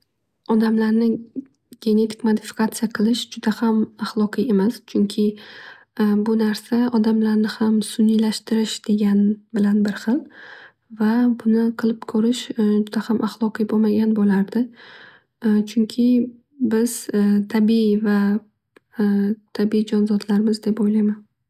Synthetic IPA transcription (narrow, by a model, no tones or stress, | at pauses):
ɒd̪amlaɾnɪ | ɡʲe̞ne̞t̪ʰɪ̥kʲmod̪ɪfɪ̥kʰat̪sijaqʰɨlˠɪʃd͡ʒʊd̪ahamaχlˠɒqʰɨje̞mast͡ʃʰʊŋkʲʰɪ | bʊnaɾsaɒd̪amlaɾnɪhamsʊnijlaʃt̪ɪɾɪʃd̪̥e̞ɡʲanbɪlanbɪɾχɨlˠ | vabʊnɪqʰɨlˠɪpkʰɵɾɪʃd͡ʒʊd̪̥ahamʔaχlˠɒqʰɨjbomaɡʲanbolaɾd̪ɪ | t͡ʃʰʊŋkʲʰɪ | bɪz̥t̪ʰabiva | t̪ʰabiid͡ʒɒnzɒd̪laɾmɪzd̪e̞pojlajman